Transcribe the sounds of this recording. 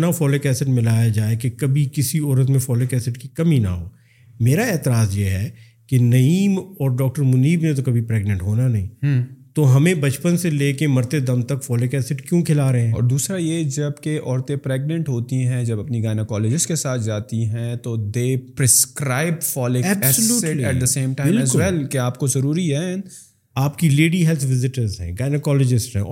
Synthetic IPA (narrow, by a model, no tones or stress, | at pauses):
nafɔːlekɛːsɪʈmɪlaːjad͡ʒaːekekɐbʱikɪsiɔːɾət̪̬mẽfɔːlokɛːsɪʈkikɐmina̰ɦoː | meːɾaɛːt̪ɪɾaːzjeɦɛ | kenɐiːmɔːɾɖɔːk̚ʈəɾmʊniːbnẽt̪̬okɐbʱipɾɛːɡnə̃ɳʈɦoːnanɐɦĩːt̪oɦɐmẽbɐt͡ʃpənseleːkemɐɾt̪ed̪ɐmt̪ɐkfɔːlokɛːsɪʈkjũkʰɪlaːɾɐɦẽɦɛ̃ɔ̰ːɾd̪uːsɾajed͡ʒɐbkeʔɔːɾt̪ẽpɾɛːɡ̚nə̃ɳʈɦoːt̪iɦɛ̃d͡ʒɐbɐpniɡaːɪnəkɔːlɪd͡ʒɪsʈkesaːt̪ʰd͡ʒaːt̪iɦɛ̃t̪od̪eːpɾɪskɾaːɪb̚fɔːlɪɛːbssəljuːliɛʈd̪əsẽːmʈãːɪlɛzkʊɛlkeaːpkozɐɾuːɾiɦɛ | aːpkileːɖiɦɛːlt̪ʰʋɪzɪʈəɾzɦɛ̰̃ːɡaːɪnəkɔːlɪd͡ʒɪsʈɦɛ̰̃